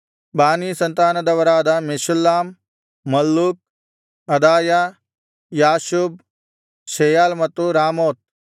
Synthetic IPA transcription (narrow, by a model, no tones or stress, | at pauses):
baːniːsɐnt̪aːnɐd̪ɐʋɐɾaːd̪ɐmeʃulːaːmː | ɐlːuk̚ | ɐd̪aːja | jaːʃub | ʃeːjaːlmɐt̪ːuɾaːmoːt̪̚